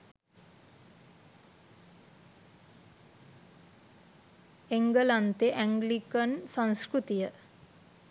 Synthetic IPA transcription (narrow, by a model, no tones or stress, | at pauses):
eŋɡəlant̪eʔæŋɡlikənsãŋskɾut̪ijə